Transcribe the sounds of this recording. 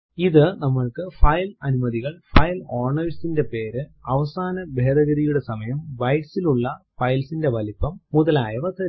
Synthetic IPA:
iðɨnɐmːɐɭkɨfɐjlɐnumɐðiɣɐɭfɐjloːrɳɐʋisinde̞pe̞ːɾɨɐʋɐsaːnɐbʱe̞ːd̪ɐɣɐɾijuɽe̞sɐmɐjɐmbɐjʈsiluɭːɐfɐjlsinde̞ʋɐlipːɐmːuðɐlaːjɐʋɐt̪ːɐ

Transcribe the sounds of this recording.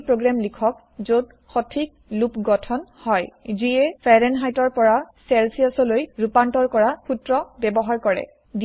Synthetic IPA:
pɹoɡɹamlikʰɔk̚ | zod | xɔtʰik̚lupɡɔtʰɔnhɔjziɛpʰɛɹɛnɦajtɔɹpɔɹasɛlsiasɔlojɹupantɔɹkɔɹapʰutɹɔbɛbɔɦaɹkɔɹɛ̰ | di

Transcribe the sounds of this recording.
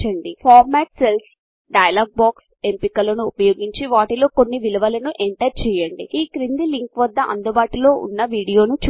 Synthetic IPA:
t͡ʃɐɳɖipʰaːɾmɛːʈse̞ls | ɖɐjɐlaːɡ̚baːks | e̞mpikɐlɐnuːpɐjo̞ːɡiɲt͡ʃiʋaːʈilo̞ːko̞nːiʋilɐʋɐlɐnuʔeɳʈɐɾt͡ʃɛːjɐɳɖḭiːkɾind̪iliŋkʋɐd̪ːɐʔɐ̰nd̪ubaːʈilo̞ːʔṵnːɐʋiːɽijo̞ːnut͡ʃ

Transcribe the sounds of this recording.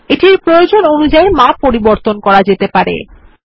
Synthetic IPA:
eʈiɾpɾojod͡ʑononud͡ʑaemapoɾiboɾt̪onkɔɾad͡ʑet̪epaɾḛ

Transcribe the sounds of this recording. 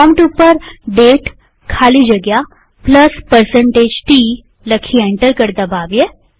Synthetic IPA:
ɔmʈupəɾɖeːʈ | kʰaːlid͡ʒɐɡja | pləspəɾsə̃ɳʈeːd͡ʒʈiː | ləkʰiẽɳʈəɾkəɾd̪abaːʋje

